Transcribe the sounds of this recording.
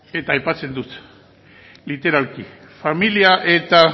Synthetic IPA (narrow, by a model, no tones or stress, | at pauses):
e̞t̪aːjpat͡se̞nd̪ut̪ | lit̪e̞ɾalki | familiaʔe̞t̪a